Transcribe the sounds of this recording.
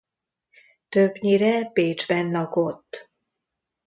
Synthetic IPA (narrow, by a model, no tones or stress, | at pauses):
t̪øbɲiɾɛpeːd͡ʒbɛnlɒko̞t̪ː